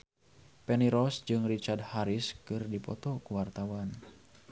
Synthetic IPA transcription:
pɛniɾɔsd͡ʒɨŋrit͡ʃard̚haɾiskɨrdipɔ̰t̪ɔkuwart̪awan

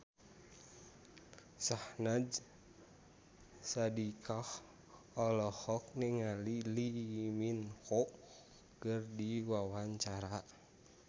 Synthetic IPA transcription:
sahnad͡ʒ | sadikʰah | ɔlɔhɔk̚niŋaliliminhɔ | kɨrdiwawaɲt͡ʃaɾa

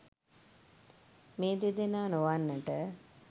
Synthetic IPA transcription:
meːd̪ed̪enaːnoʋanːəʈə

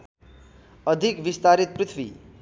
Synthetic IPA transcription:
ʌd̪ʱikbist̪aɾit̪̚prit̪ʰwḭ

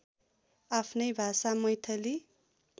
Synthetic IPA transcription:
apʰnʌjbʱasamʌjt̪ʰʌli

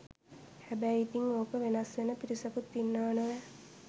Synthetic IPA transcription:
hæbæjit̪iŋoːkəʋenɐsʋenəpiɾisɐkut̪ːinːaːnəʋɛ

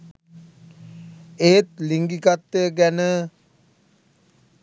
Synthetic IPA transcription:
eːt̪̚liŋɡikat̪ːəɡænə

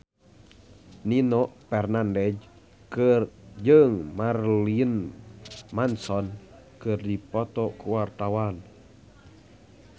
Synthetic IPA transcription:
ninɔʔpɛrnandɛd͡ʒ | kɨrd͡ʒɨŋmarlin | mansɔn | kɨrdipɔt̪ɔkuwart̪awan

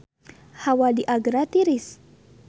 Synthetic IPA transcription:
hawadiʔaɡɾat̪iɾɪs

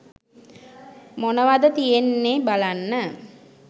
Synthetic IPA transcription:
monəʋad̪ət̪ijenːeːbalanːə

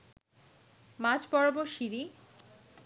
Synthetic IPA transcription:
mad͡ʑpɔɽboʃiɾi

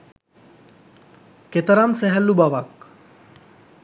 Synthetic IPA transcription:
ket̪əɾamsæɦælːubaʋak

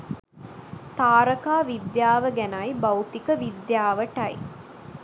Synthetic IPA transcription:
t̪aːɾəkaːʋid̪jaːʋəɡænɐjbɐwt̪ikəʋid̪jaːʋəʈɐj

